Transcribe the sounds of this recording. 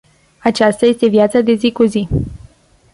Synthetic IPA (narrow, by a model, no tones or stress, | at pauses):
at͡ʃast̪aje̞st̪e̞vjat̪sad̪e̞zikuzi